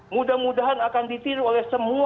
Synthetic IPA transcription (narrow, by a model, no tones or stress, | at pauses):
mudahmudaɦanakandit̪iɾuolɛhsəmu